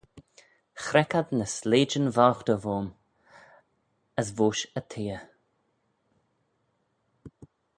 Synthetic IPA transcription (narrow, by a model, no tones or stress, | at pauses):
xɾɛkad̪nəsleːd͡ʒənvawxd̪əvoːm | əsvoːʃət̪ʰeːə